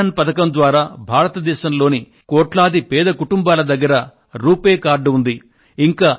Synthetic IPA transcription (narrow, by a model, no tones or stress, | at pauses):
ɐnpɐt̪ʰɐkɐmd̪ʋaːɾaːbʱaːɾɐt̪ɐd̪ɛːʃɐmlo̞ːni | kɔːʈlaːd̪ipɛːd̪ɐkuʈumbaːlɐd̪ɐɡːɐɾɐ | ɾuːpeːkaːɾɖund̪i | iŋkaː